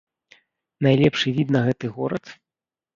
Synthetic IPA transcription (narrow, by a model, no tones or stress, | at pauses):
najlʲɛpʂɨvʲid̪nɐɣɛt̪ɨɣɔɾɐt̪